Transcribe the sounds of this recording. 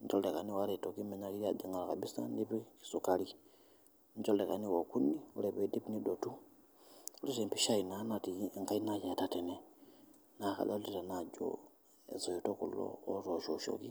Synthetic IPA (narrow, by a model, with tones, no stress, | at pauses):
nt͡ʃo˦lleka˨ni˦wa˦ɾe˨tokime˨ɲa˦li˦ɾade˨ŋɡa˨la˨ka˨ɓi˦sa̰˦ndipiki̥sukali | ɲd͡ʒo˦lle˨ka˨ni˦woku˦niu˦le˨βe˨di˦pinidotu˦ | u˦li˦ɾempi˦ʃa˦ina˦na˨tiŋka˦i˦naje˨tatene | naka̰˨la˦uli˨ɾa˨nad͡ʒo̰ | ḛ˨zo˨ito˦kulo̰ː˦ɾo˨ʃoʃo̰ki˦